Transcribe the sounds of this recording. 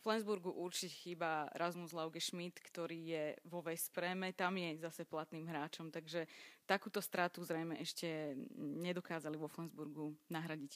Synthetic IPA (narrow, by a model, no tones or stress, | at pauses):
flɛnzbuɾɡuʔuɾt͡ʃicɛ̥xiːbaɛ̰ɾʔazmuzlaʊɡɛʃmit̪kt̪ɔɾiːjɛʋɔʋɛspɾɛːmɛt̪amjɛzasɛplat̪niːmɦɾaːt͡ʃɔmt̪aɡʒɛt̪akuːt̪ɔst̪ɾat̪uzɾɛjmɛʔɛʃcɛɲɛd̪ɔkaːzaliʋɔflɛnzbuɾɡunaɦɾaɟic